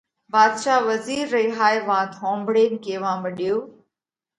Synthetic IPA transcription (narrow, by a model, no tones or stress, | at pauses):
baːd̪ʃaːʋɐziːɾːɐiɦaːjʋãːt̪ʰõːmbɽeːnɪkeːʋãːmɐɗijoː